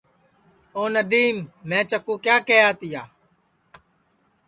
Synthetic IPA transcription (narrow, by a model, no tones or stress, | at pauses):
oːnəd̪iːmːɛ̃ːt͡ʃəkũːkjaːkeːjaːt̪ɪjaː